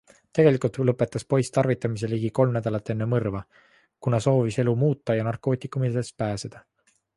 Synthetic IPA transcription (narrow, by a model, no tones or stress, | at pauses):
t̪e̞ɡ̥e̞likult̪lɤpːˑe̞t̪ːˑɑspo̞jst̪ɑrvit̪ːˑɑmis̬e̞liɡiko̞lmnæd̪ɑlɑt̪ːˑe̞nːe̞mɤrvɑ | kunɑso̞ːvise̞lumuːt̪ˑːɑjɑnɑrkˑo̞ːt̪ʲˑikːˑumilespæːse̞d̪̥ɑ